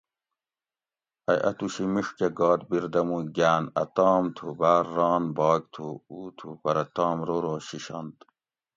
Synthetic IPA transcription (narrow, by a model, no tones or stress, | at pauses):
ɐjʔɐ̰t̪uɕimiʂkeɡɑːt̪biɾd̪ɐmuɡaːnɐ̰t̪ɑːmt̪ʰubaːɾːɑːnbɑːɡt̪ʰuuːt̪ʰupɐɾɐt̪ɑːmɾoɾoːɕiɕɑ̰nt̪